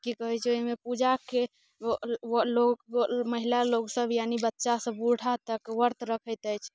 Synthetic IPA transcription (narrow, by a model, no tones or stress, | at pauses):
kikəɦɛt͡ʃʰɛoɦimepud͡ʒake | loməɦilaloɡsəbjanibətːʃasəbuɽ̤ʱat̪əkwəɾt̪ɾəkʰəjt̪əjt͡ʃʰ